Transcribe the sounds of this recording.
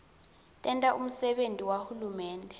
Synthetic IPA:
tʼɛntʼaʔum̩sɛɓentʼiwahulumɛːndʱɛ

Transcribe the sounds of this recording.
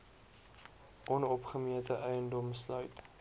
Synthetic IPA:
ʔɔnɔpχəmiətəʔɛjəndɔmslœɥt

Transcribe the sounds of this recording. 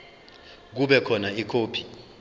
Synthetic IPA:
k̬uɓɛkʰɔnaikʰoːpʰi̥

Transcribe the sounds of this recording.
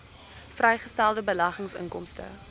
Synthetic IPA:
frɛjχəstælˠdəbəlɐχəŋsə̰ŋkɔmstə̰

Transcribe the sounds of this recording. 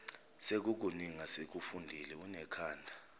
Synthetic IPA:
sek̬uk̬uniŋasek̬ufundʱilɛunɛkʰaːndʱa

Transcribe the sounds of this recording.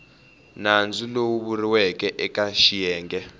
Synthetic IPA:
nand͡zulowuβuriwɛkʼɛʔɛkaʃijɛːŋɡɛ

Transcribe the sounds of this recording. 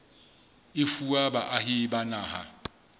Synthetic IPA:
ɪfuabaʔahɪbanaːha̰

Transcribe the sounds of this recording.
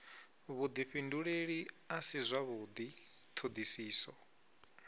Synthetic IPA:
βud̪iɸinduɺeɺi | asizʷaβud̪i | t̪ʰod̪isiːsɔ

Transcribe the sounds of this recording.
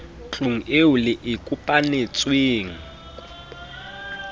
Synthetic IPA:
t͡ɬʼuŋ̩eulɪʔɪkʼupʼanet͡sʼweːŋ̩

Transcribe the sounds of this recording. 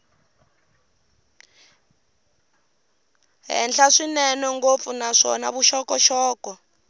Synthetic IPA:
ɦɛ̰nɬʰaʂinɛnɔŋɡofunaʂɔ̰naβuʃɔkɔʃɔːkɔ

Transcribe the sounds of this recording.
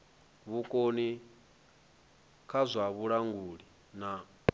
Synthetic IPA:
βukʼoni | kʰazʷaβuɺaŋɡuːɺi | na

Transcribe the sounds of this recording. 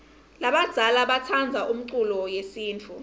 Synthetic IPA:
laɓad̥z̥ʱalaɓatʰand͡zʱaʔum̩ǀulɔjesiːnt͡fʰu

